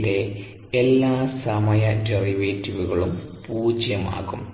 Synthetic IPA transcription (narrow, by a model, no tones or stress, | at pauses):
le̞ | elːaːsɐmɐjɐderiʋeːtːiʋuɣɐɭumpuːd͡ʑjɐma̰ːɣum